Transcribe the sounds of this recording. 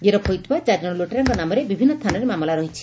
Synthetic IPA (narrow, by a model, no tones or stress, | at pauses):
ɡeɾɔpʰɔjt̪ʰbat͡ʃad͡ʒɔɽ̃ɔloʈeɾɔŋkɔnamɔɾebibʱinːɔst̪ʰanɔɾemamɔlaɾɔɦit͡ʃʰi̥